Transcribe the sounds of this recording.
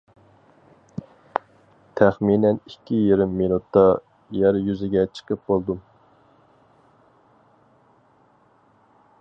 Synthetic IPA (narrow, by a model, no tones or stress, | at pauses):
t̪ʰæχminɛnikʲʰːijiɾɪmːinut̪ːɑ | jæɾjyzɪɡʲɛt͡ʃʰə̥qəp̚bolˠd̪u